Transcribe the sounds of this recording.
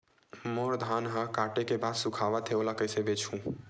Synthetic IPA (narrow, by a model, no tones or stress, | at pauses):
moːɾd̪ʱaːnɦakaːʈekebaːd̪sʊkʰaːʋat̪ʰeoːlakəɪsebeːt͡ʃʰũː